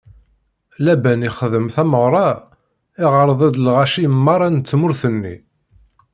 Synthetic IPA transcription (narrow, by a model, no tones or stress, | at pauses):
læbæniχəðəmθæməʁɾˤɑ | ɪʁəɾˤəðˤæd̪lʁæʃijəmːɑɾˤɑnt̪t͡sːmʊɾθənːḭ